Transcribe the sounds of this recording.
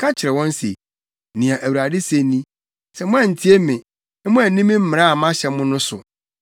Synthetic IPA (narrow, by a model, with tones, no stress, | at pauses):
kʰa˦t͡ɕʰɪ˨ɾɛ˨wɔ̃˦n˦sḛ˨ | nĩ˨ã˨ʔæ˨wu˨ɾa˨dɪ˦se˨nĩ˦ | sɛ˨mʊ̃˦a˨n̩˨tʰi˦e˦mɪ̃˨ | ñ˦mʊ̃˦æ˨nĩ˦mɪ̃˦m̩˦mɪ̃˨ɾa˦a˨mã˦ɕɛ˨mʊ̃˦nʊ̃˦sʊ̰˨